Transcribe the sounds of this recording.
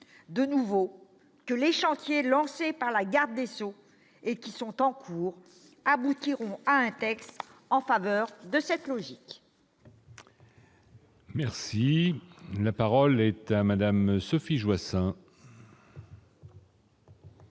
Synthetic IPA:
d̪ənuvo | kəleʃɑ̃t̪jelɑ̃sepaʁlaɡaʁd̪ːeso | ekʲisɔ̃t̪ɑ̃kʰuːʁ | abut̪iʁɔ̃aɛ̃t̪ɛkst̪ɑ̃favœʁd̪əsɛt̪lɔʒik | mɛʁsi | lapaʁɔlɛt̪amad̪amsɔfiʒwasɛ̃

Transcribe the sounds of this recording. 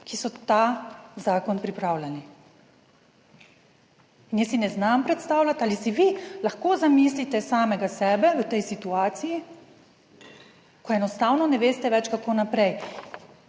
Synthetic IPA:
kisɔt̪azaːkɔnpɾipɾawlʲani | injesinɛznampɾɛt̪st̪aːwlʲat̪alisiʋilaxkoːzamislit̪ɛsaːmɛɡasɛːbɛʋət̪ɛjsit̪uaːt̪siji | kɔɛnɔst̪awnɔnɛʋeːst̪ɛʋɛt͡ʃkakoːnapɾɛj

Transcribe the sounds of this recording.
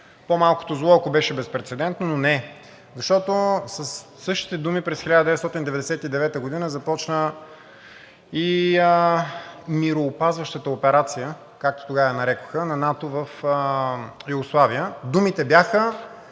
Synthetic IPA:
pomalˠko̥t̪ozlˠɔɐkobɛʃɛbɛspɾɛt̪sɛd̪ɛnt̪nononɛ | zɐʃt̪ɔt̪osəsːɤʃt̪i̥t̪ɛd̪umipɾɛsxɛlʲad̪əd̪ɛvɛt̪st̪ɔt̪ind̪ɛvɛd̪ɛsɛt̪id̪ɛvɛt̪əɡod̪inəzɐpɔt͡ʃnə | iə | miɾoːpazvɐʃt̪ət̪əopɛɾat̪sijə | kak̚t̪o̥t̪oɡavəjənɐɾɛko̥xənɐnat̪ovəfəjuɡoslˠaviəd̪umit̪ɛbjaxə

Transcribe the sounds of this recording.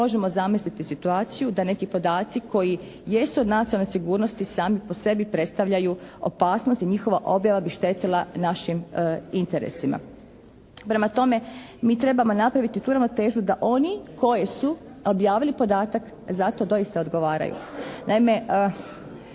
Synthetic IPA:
mo̞ʒemo̞zamislit̪isit̪uaːt̪sijud̪ane̞kipo̞d̪aːt̪sikʰo̞ji | jest̪uo̞d̪nat̪iolnesiɡuːɾno̞st̪isaːmipo̞se̞bipɾe̞t̪st̪aʋʎajuo̰paːsno̞st̪iɲixo̞ʋaʔo̞bjaʋabiʃt̪e̞t̪ilˠanaʃimint̪e̞ɾḛsima̰ | pɾe̞mat̪o̞me̞miːt̪ɾe̞bamo̞napɾaʋit̪it̪uːɾaʋnot̪e̞ːʒud̪aʔo̞niko̞jesu | o̞bjaːʋilipo̞d̪aːt̪ak | zat̪o̞d̪o̞ist̪ao̞d̪ɡo̞ʋaːɾa̰jṵnaime̞

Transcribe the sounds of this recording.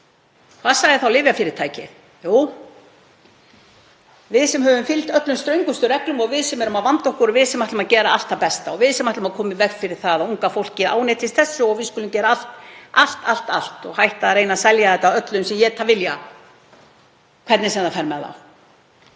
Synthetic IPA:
kʰvaðsaɣðɪθawlɪːvjafɪɾɪɾ̥t̪ʰaːjcɪ̰ð | juːw | vɪðsɛmhœvʏmfɪlt̪œt̪lʏmst̪ɾœɥŋkʏst̪ʏɾɛklʏmɔɣvɪðsɛmɛɾʏmaðvant̪ɔhkʏɾvɪðsɛmaht̪ʏmaðcɛːɾaal̥t̪θawpɛst̪aɔɣvɪðsɛmaht̪lʏmaðkʰɔːmɪvɛɣfɪɾɪɾ̥θaðauŋkafowl̥cɪa̰ːwnejt̪ʰɪst̪θɛsːʏɔɣvɪðskʏlʏmcɛːɾaal̥t̪ʔal̥t̪al̥t̪al̥t̪ɔɣhajht̪aðɾeːjnasɛljaðɛt̪ːaœt̪lʏnsɛmjɛt̪ʰavɪlja | kʰɛɾt̪nɪsɛmðafɛɾmɛða̰w

